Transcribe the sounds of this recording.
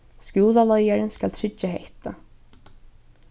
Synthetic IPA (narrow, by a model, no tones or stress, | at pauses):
scjuːlalɔjaɾɪnskalt̪ʰɾɪt͡ʃːaɦeht̪a